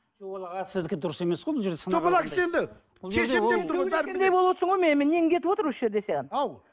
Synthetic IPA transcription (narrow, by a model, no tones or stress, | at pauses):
ʒobɑlˠɑʁɑt̪sɪzd̪ɪk̪ʲːed̪ʊɾəse̞me̞sqojbɪlˠʒeɾd̪e̞sət̪ʰopɑlˠɑkʲsend̪ɪ | bʊlˠʃʰeʃemep̚t̪ʊɾʁɑæɾʲnd̪ejbo̞lˠəwot̪səɴʁojmenɪmenːeŋŋkʰʲe̞t̪ɪpwot̪əɾwosʒe̞ɾd̪e̞seʁenɑw